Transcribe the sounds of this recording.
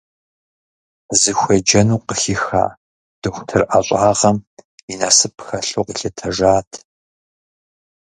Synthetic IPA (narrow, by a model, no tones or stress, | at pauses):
zɨxʷɐd͡ʒɐnuːqəxixa̰ː | d̥ɨχʷtʰɨrʔɐɕʷʼaːʁɐminaːsɨpʰxɐɬuːqiɬɐtʰɐʒaːtʰ